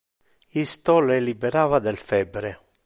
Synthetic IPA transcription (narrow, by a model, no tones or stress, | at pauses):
ist̪ɔlelibɛɾaːvad̪ɛlfɛbːɾe